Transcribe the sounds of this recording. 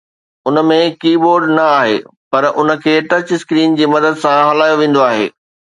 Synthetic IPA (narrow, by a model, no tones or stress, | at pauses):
ʊnə̆mẽkiːboːɾɖnɐaːɦḛːpɐɾʊnə̆kʰeːʈɐt͡ɕɪskɾiːnd͡ʑiːmɐd̪əd̪sãɦɐlaːjoʋẽːn̆d̪oaːɦḛː